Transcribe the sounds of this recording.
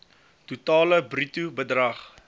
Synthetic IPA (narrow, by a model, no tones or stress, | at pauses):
tutɑːləbritubədrɐχ